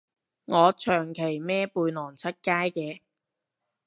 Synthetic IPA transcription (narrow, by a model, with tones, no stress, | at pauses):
ŋɔː˨˧t͡ʃʰœː˨˩ŋkʰe˨˩jmɛː˥puː˧jnɔː˨˩ŋt͡sʰɐ˥t̚kaː˥jkɛː˧